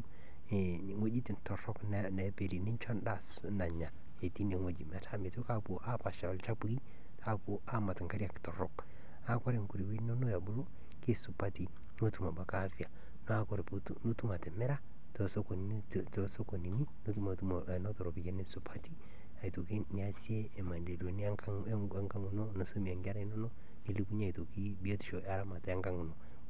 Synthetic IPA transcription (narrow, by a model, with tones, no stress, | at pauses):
ŋo˦d͡ʒi˦ti˨ntɔ˨ɾɔ˦kn˦nɛ˨pe˨ɾi˨nɪ˦ɲt͡ʃɔ˦nda˦˨s | na˨ɲa˨ | e˨ti˦n˦e˨ŋo˨d͡ʒi˨ma˦tʰa˦me˨to˦ka˦po˨ʔa˦pa˨ʃa˨lt͡ʃa˦pu˦i˦ | ta˦po˦a˦ma˨tŋka˦ɾja˨ktɔ˨ɾɔ˨k | a˨ka˦ɾe˨ŋku˨ɾi˨wi˦no˦no˦ja˨bʊ˦lo˦ | kɪ˦sʊ˨pa˦ti˨ | no˦tu˨ma˨ba˨ka˦fi˨a˨ | no˦a˦ko˨ɾe˨pu | no˦tu˦ma˨te˨mɛ˦ɾa˦ | to˨so˦ko˨n | to˦so˦ko˨ni˨ni˦no˦tu˦ma˨tum˨ | no˦to˨ɾo˨pi˨ke˦ne˦su˦pʰa˦ti˦ | a˨ito˨ki˦ni˨a˦sjeː˦˨ma˨nde˨do˨ni˦a˦a˦ | ŋɡa˦ŋu˨no˦na˨so˦mi˨a˨ŋɡa˦ɾa˦i˦no˦no˦ | ni˦li˦pu˦ɲ˦a˨i˨to˨ki˦bi˦e˦ti̥˦ʃo˨ʔa˦ɾa˦ma˨ta˨a˦ŋɡa˦ŋu˨no˨